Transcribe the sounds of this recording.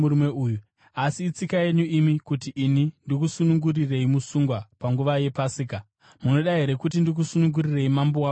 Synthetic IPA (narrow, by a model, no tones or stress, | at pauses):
uɾumeuːju | asiːt͡sikaje̞ɲuʔimikutiʔːnindikusunuŋɡurire̞imusuŋɡwapaŋɡuʋaje̞pasiːka | muno̞ɗaɦe̞ɾe̞kutindik̬usunuŋɡurire̞imambowa